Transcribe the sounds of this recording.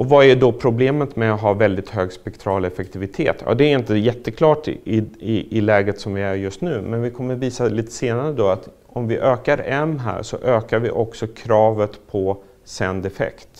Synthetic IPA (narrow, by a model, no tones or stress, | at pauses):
ʔɔvaæɖɔpʰɾʊbleːmət̪mɛaɦɑːvɛld̪ɪt̪ɦøːɡspɛkt̪ʰɾɑːlɛfɛk̚t̪ʰɪvɪt̪ʰḛːt̪jɑ̰ːd̪ɛːɾɪnt̪əjɛt̪ːəkʰlɑːʈɪɪɪlɛːɡət̪sɔmvɪæɾjɵst̪nʉ̟ːmɛnvɪkʰɔmːəɾviːsaliːt̪ə̥seːnaɾəd̪ɔat̪ | ɔmvɪʔøːkaɾɛmːɦæ̰ːɾʂɔ̰ʔøːkaɾvɪ̰ʔɔksɔkʰɾɑːvət̪pʰɔ | sɛnd̪ɛfɛ̰kt̪